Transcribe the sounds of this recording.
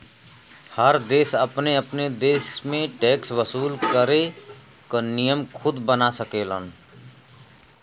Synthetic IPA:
həɾd̪eːsəpneəpned̪eːsmẽʈeːksʋwəsuːlkəɾe | kənijəmkʰʊd̪bənasəkelə̰n

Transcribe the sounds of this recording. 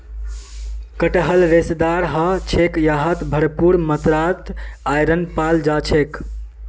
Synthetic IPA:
kəʈəɦəlɾesd̪aɾɦət͡ʃʰekjaɦət̪bʱəɾpuɾmət̪ɾat̪ajɾənpald͡ʒat͡ʃʰek

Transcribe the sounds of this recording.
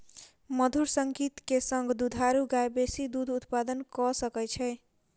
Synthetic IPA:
məd̪ʱuɾsəŋkit̪kesəŋɡʱd̪ud̪ʱaɾuɡajbesid̪ud̪ʱut̪pad̪ənkɔsəkəjt͡ʃʰɛɪ

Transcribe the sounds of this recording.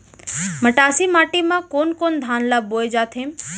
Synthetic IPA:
məʈaːsimaːʈimãkoːnkoːnd̪ʱaːnlaːboːed͡ʒaːt̪ʰẽːm

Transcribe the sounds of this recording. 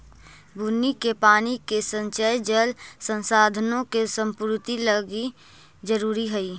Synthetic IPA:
bʱunːikepaːnikesə̃nt͡ʃəjd͡ʒəlsə̃nsaːd̪ʱənõkesə̃mpʊɾt̪iləɡi | d͡ʒəɾuːɾiɦəiː

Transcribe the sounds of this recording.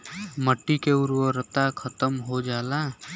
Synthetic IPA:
məʈːikeʊɾʋəɾət̪akʰət̪əmɦod͡ʒaːla

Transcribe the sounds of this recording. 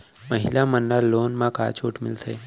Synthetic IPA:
məɦilamənːalːoːnmãka̰ːt͡ʃʰuːʈmɪ̰lt̪ʰe

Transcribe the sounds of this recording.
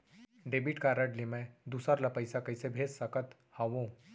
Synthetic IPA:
ɖeːbiʈkaɾəɖlimẽd̪uːsaɾlapəɪsakɐɪsebʱeːssɐkət̪ | hãʋõː

